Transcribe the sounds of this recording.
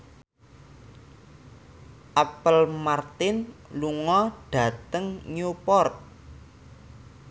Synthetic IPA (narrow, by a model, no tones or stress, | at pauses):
ʔapəlmart̪ɪnluŋɔɖ̥ä̤t̪əŋɲupɔrt̪̚